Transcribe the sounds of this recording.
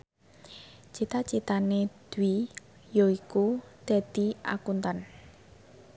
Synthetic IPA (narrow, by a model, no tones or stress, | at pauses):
t͡ʃit̪at͡ʃit̪aned̪̥wi | joikud̪̥a̤d̪̥i̤ʔa̰kunt̪an